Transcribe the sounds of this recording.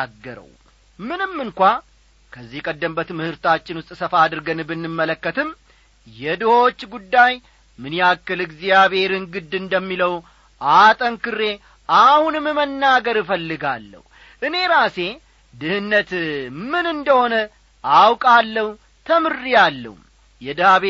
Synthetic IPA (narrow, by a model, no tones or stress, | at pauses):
aɡːəɾə̰w | mɨnɨmːɨŋkʷa | kʰəzːihkʼəd̪ːəmbət̪mɨhɨɾt̪at͡ʃːɪnwʊst̪ʼsəfad̪ɨɾɡənbɨnːɨmːələkːət̪ɨm | jɛd̪ɨho̞t͡ʃːɡud̪ːaj | mɨnjakːɨlɨɡzijaβhe̞ɾɨŋɡɨd̪ɨnd̪əmːiləw | ʔat̪ʼənkɨrːe̞ | ʔahunɨmɨmənːaɡəɾfəlːɨɡa̰lːə̰hu | ʔɨne̞ɾase̞ | d̪ɨhɨnːət̪mɨnɨnd̪əho̞nə | awkʼalːəhwu | t̪ʰəmɨrːijalːə̰hṵm | jɛd̪ɨhaβe